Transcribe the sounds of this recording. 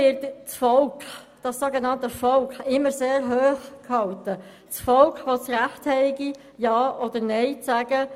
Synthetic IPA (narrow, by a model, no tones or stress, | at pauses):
ɪɾtt͡sfɔlkχd̥ɑsːoɡenɑntəfɔlkχɪmːəɾseːɾɦøːχkhɑltə | t͡sfɔlkχʋost͡sɾæχthɛɪɡi | jɑːʔɔd̥əɾnɛɪt͡sæɡ̥ə